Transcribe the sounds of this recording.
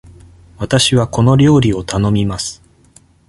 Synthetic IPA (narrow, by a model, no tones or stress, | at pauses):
βat̪aɕiβ̞ako̞no̞ɾʲo̞ːɾʲio̞t̪ano̞mʲimasɨ̥